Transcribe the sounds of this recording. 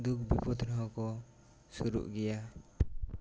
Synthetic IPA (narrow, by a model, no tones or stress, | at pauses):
d̪uk̚bʱipɔt̪ʰnɔɦɔkɔ | suɾṵʔɡɛja